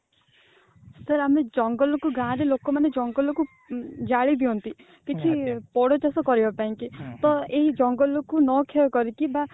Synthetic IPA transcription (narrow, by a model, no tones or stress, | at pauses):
səɾamed͡ʒɔŋɡɔlɔkuɡãɾelokɔmaned͡ʒɔŋɡɔlɔku | d͡ʒaɭid̪iont̪i | kit͡ʃʰipɔɽɔt͡ʃasɔkɔɾibɔpaĩŋkit̪ɔeɦid͡ʒɔŋɡɔlɔkunɔkʰeɔkɔɾikiba